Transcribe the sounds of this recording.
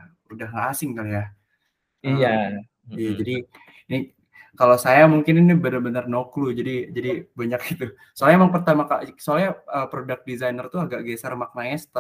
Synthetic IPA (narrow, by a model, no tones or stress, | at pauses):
udahŋɡaʔːsɪŋkalja | ija | ijad͡ʒadi | ini | kalosajamuŋkɪninibənarbənərnoklud͡ʒadid͡ʒadibaɲak̚it̪u | soalemaŋpərt̪amakasoalɲaəːpɾodak̚dizajnərt̪uaɡaʔɡesərmak̚naɲasə̥t̪a